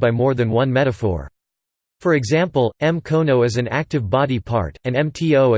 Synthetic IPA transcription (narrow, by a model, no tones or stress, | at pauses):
baɪmɔɹðɨ̃nwʌ̃nmɛɾɨfɔ̰ɹ | fə˞ɨɡzæ̃mpl̩ˠɛ̃mkʰõʊ̃noʊɨzɨ̃næ̰k̚tɨvbɑɾipʰɑ̰ɹɾɨ̃nɛ̃mtʰioʊ